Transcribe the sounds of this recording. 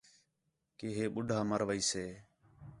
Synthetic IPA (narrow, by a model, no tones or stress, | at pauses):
keːɦeːɓʊɖʱaːməɾʋəiːseː